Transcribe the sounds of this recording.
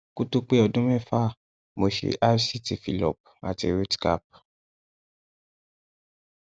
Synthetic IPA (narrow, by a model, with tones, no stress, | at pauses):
ku˦tu˦k͡pe˦ɔ˧dũ˦mɛ̃˦˨fa˦˨ | mo˨ʃḛ˨ʔa˦fsi˦ti˨fḭ˨lɔ̰˨p̚a̰˨tḭ˧ɾo˦dka̰˦˨p̚